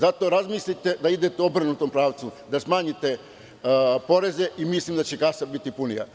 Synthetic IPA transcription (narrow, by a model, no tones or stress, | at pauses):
zat̪o̞ɾazmiːslit̪e̞d̪aid̪e̞t̪eobɾnut̪ompɾaːʋt̪sud̪asmaːɲit̪e̞ | po̞ɾe̞ze̞ʔimislˠimd̪at͡ɕe̞kasabit̪ipunḭja̰